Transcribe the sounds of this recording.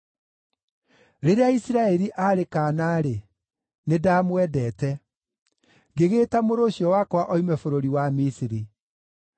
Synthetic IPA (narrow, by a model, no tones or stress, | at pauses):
ɾeɾeaisiɾaɛɾiʔaɾekaːnaːɾe | nedamwɛdɛːtɛ | ŋɡeɣeːtamoɾoɕjɔwakwaʔɔimɛfoɾoɾiwamisiɾi